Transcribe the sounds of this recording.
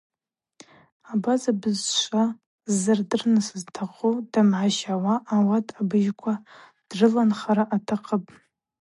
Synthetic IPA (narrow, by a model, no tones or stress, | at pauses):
abazabɨzʃʷʼa | zɨrdɨrnɨsɨztʰaqʼudamʕaʃawaʔːwatʰʼabɨʒkʷʰa | d̥rɨlanχaɾaʔatʰaqʼəpʼ